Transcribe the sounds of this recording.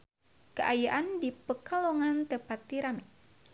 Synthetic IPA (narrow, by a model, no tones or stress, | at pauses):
kəʔajaʔandipəkəlɔŋant̪əpat̪ːiɾamɛ